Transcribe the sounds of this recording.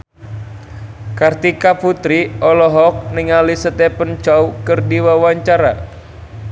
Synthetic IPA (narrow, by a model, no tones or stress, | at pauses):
kart̪ikaput̪ɾiɔlɔɦɔk̚nɪŋalisət̪ɛpənt͡ʃawkərdiwawaɲt͡ʃaɾa